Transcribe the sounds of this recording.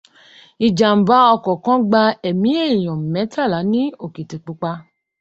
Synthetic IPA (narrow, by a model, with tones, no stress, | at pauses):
i˨d͡ʒa˨m̩˨ba˨˦ɔ˧kɔ˨kɔ̃˦ɡ͡ba˧ɛ˨mĩ˨˦e˦˨j̃ɔ̃˨mɛ̃˨˦tʰa˦˨la˨˦nĩ˦o˦˨ki˨ti˨k͡pu˧˦k͡pa˧